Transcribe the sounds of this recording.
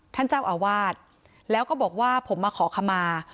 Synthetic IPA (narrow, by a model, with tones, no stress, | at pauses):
t̪ʰa˥˩nt͡ɕaː˥˩wʔaː˧waː˥˩t̪̚ | lɛː˦˥wkɔː˥˩bɔː˨˩k̚waː˥˩pʰo˩˦mːaː˧kʰɔː˩˦kʰa˧mːaː˧